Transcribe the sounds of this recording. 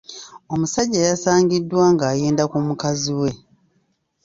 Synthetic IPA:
o̞musaɟːajasaːŋɡidːwaːŋɡaːjeːndakumukaziwe̞

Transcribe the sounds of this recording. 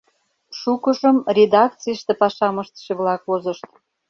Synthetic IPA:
ʃukəʒəmrʲed̪ɑkt͡sijʃt̪epɑʃɑməʃt̪ʃeβlɑkvozəʃt̪

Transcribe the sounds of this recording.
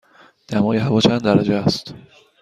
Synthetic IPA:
d̪̥æmɒːjeɦævɒːt͡ʃʰænd̪d̪æɾæd͡ʒeæst̪

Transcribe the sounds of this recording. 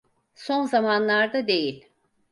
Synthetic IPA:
so̞nzamanlˠaɾd̪ad̪e̞jilʲ

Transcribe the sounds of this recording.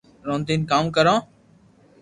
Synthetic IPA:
ɾõːnd̪iːnkaːmkəɾãː

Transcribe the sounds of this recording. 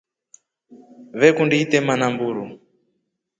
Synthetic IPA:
βɛkundiit̪ɛmanambuːɾu

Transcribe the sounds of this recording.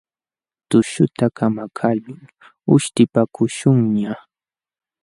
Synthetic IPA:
t̪ʊʃʊt̪akʰamakʰaʎʊŋ | ʊʃt̪ɪpakʰʊʃʊŋɲa

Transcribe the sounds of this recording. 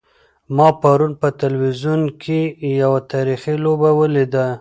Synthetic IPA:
mɑpaɾunpət̪alwizunkʰejawat̪ɑɾixilobawəled̪a

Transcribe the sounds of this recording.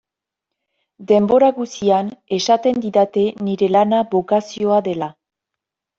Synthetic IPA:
d̪e̞mbo̞ɾaɣusiane̞ʃat̪e̞nd̪iðat̪e̞niɾe̞lanaβo̞kasio̞aðe̞la

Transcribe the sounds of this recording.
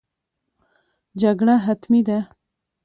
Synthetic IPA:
d͡ʑɐɡɽaɦɐt̪mid̪a

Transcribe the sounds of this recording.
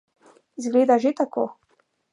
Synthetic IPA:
zɡleːd̪aʒet̪akʰoː

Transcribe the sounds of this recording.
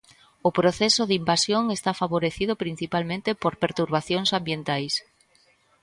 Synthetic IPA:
ʊpɾoθɛsʊðimbasjoŋest̪afaβoɾeθið̞ʊpɾin̟θipalmẽnt̪epoɾpeɾt̪uɾβ̞aθjoŋsambjent̪ajs

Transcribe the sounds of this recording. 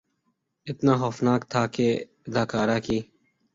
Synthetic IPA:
ɪt̪naːɦoːfnaːkt̪ʰaːkeː | ɪd̪aːkaːɾaːkiː

